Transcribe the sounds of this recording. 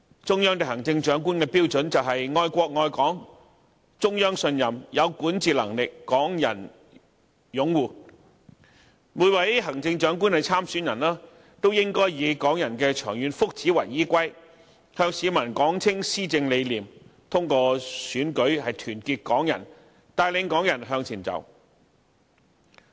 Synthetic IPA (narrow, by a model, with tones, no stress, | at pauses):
t͡ʃʊ˥ŋjœː˥ŋt̪e˨˩hɦɐ˨˩ŋt͡sɪ˧ŋt͡ʃœː˨˥ŋk̬uː˥nkɛː˧piː˥wt͡sɵ˨˧˥nt͡sɐ˨wɦɐ˨jŋɔː˧jkʷɔː˧k̚ŋɔː˧jkɔː˨˥ŋ | t͡ʃʊ˥ŋjœː˥ŋsɵ˧njɐ˨˩mjɐ˨˧wkuː˨˥nt͡siː˨˩lɐ˨˩ŋlɪ˨kːɔː˨˥ŋjɐ̰˨˩n | jʊ˨˥ŋwuː˨˩ | muː˨˧˩jwɐ˨˧jɦɐ˨˩ŋt͡sɪ˧ŋt͡ʃœː˨˥ŋkuː˥nhɛ˨jt͡sʰaː˥msyː˨˥njɐ˨˩nlaː˥ | t̪o˥wjɪ˥ŋkɔː˥jjiː˨˧kɔː˨˥ŋjɐ˨˩nkɛː˧t͡ʃʰœː˨˩ŋjyː˨˧nfʊ˥k̚t͡siː˨˥wɐ̰˨˩jjiː˥kʷɐ˥j | hœː˧ŋsiː˨˧mɐ˨˩nkɔː˨˥ŋt͡sʰɪ˥ŋsiː˥t͡sɪ˧ŋle˨˧jliː˨˩mt̪ʰʊ˥ŋkɔː˧syː˨˥nkɵ˨˥ɥhɐ˨jt̪ʰyː˨˩nkiː˧t̚kɔː˨˥ŋjɐ˨˩n | t̪aː˨˧jlɪ˨˧ŋkɔː˨˥ŋjɐ˨˩nɦœː˧ŋt͡sʰiː˨˩nt͡sɐ̰˨˩w